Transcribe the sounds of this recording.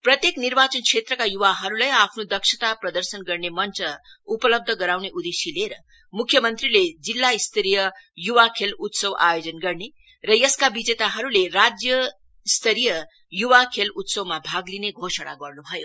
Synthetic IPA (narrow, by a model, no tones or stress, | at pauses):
prʌt̪jeknirbat͡sʌnkʰet̪rʌkajuwaɦʌɾulajapʰnod̪ʌksʰʌt̪aprʌd̪ʌrsʌnɡʌrnemʌnt͡sʌupʌlʌb̚d̪ʱʌɡʌɾawneʔud̪esileɾʌ | mukʰjʌmʌnt̪riled͡zilːaist̪ʰʌɾijʌjuwakʰelut̪sʌwa̰jod͡zʌnɡʌrne | rʌjʌskabid͡zet̪aɦʌɾulerad͡zjʌ | st̪ʰʌɾijʌ | juwakʰelut̪sʌwmabʱaɡlineɡʱosaɽa̰ɡʌrnubʱʌjo